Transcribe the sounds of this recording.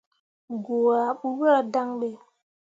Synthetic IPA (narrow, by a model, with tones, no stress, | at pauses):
ɡo˨a˨ɓu˦ɣə˦a˦da˦ŋɓe˦˨